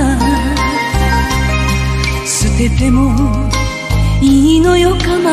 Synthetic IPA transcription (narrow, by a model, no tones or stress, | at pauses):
a | sɨbe̞t̪e̞mo | iinojokama